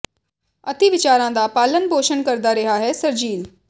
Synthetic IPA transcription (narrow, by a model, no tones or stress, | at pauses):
ɐt̪iʋɪt͡ʃaːɾãd̪apaːlənbʱoːʃənkɐɾd̪aɾɪɦaɦɛːsəɾd͡ʒiːl